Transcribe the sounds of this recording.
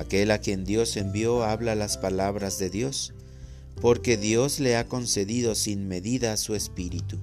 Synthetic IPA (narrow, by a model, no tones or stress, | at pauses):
ake̞lakje̞nd̪jo̞se̞mbjo̞aβlalaspalaβɾazðe̞ðjo̞s | po̞ɾke̞ðjo̞zle̞ako̞nse̞ðiðo̞sinme̞ðiðasue̞spiɾit̪u